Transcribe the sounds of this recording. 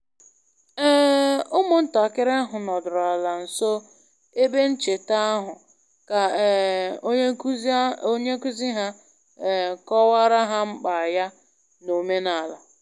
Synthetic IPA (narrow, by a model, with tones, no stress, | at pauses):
ɛ˦ʊ˦mʊ˨n̩˦ta˨kɪ˦ɾe˦a˦ɦʊ˨nɔ˨dʊ˨ɾa˨la˨n̩˨so˦ | e˦be˦n̩˦t͡ʃe˨ta˦ɦʊ˨ | ka˨˦ | o˦ɲe˦ku˦zi˦ɦa˦˨ | kɔ˦wa˦ɾa˦ɦa˦ŋ͡m̩˦k͡pa˨ja˦ | no˨me˦na˨la˨